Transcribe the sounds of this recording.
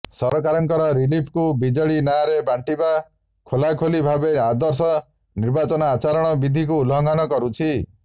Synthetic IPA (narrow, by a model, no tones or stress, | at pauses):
sɔɾɔkaɾɔŋkɔɾɔɾilipʰkubid͡ʒɔɭinaɾebaɳʈiba | kʰolakʰolibʱabead̪ɔɾsɔ | niɾbat͡ʃɔnɔat͡ʃaɾɔɽ̃ɔbid̪ʱikuːlɔŋɡʱanɔkɔɾut͡ʃʰi